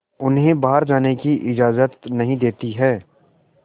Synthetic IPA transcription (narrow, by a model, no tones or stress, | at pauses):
ʊnɦẽbaːɦəɾd͡ʒaːnekiʔɪd͡ʒaːzət̪nɐɦĩd̪eːt̪iɦɛː